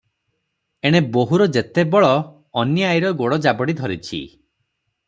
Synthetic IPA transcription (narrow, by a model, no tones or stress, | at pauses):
eɽ̃eboɦuɾɔd͡ʒet̪ebɔɭɔː | njiajɾɔɡoɽɔd͡ʒabɔɽid̪ʱɔɾit͡ʃʰḭ